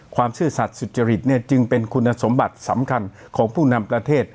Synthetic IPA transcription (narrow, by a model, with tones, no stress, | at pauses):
kʰwaː˧msɯː˥˩sa˨˩t̪̚su˨˩t̪̚t͡ɕa˧ɾi˨˩t̪̚ni˥˩ɐt͡ɕɯ˧ŋpe˧nkʰu˧nːa˧so˩˦mba˨˩t̪̚sa˩˦mkʰa˧n | kʰɔː˩˦ŋpʰuː˥˩na˧mpɾa˧t̪ʰeː˥˩t̪̚